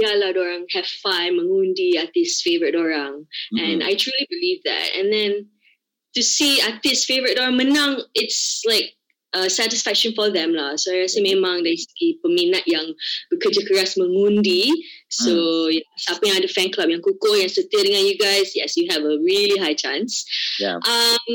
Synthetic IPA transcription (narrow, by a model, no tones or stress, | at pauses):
jaladɔɹãŋhɛv̥fãɪməŋũndiat̪ɪsfevəɹət̚ɔɹãŋɛ̃na̰jtʰɹulibilivdɛ̰t̚ɛ̰̃nd̪ɛ̃n | tusiat̪ɪsfevəɹɪt̚dɔɹãŋmənãŋɪtslaɪk̚ | ʌsætɪsfɛk̚ʃə̃nfɔðɛ̃mlasoaɪɹɛsəmẽmãŋdɛskipəminat̚jãŋbikəd͡ʒəkəɹasməŋũndisojsapə̃nj̃ŋãdəfɛ̃nklap̚jãŋkukojãŋsət̪ədəŋãnjuɡaɪsjɛsjuɦɛvəɹiliɦajt͡ʃãnsjʔʌ̃m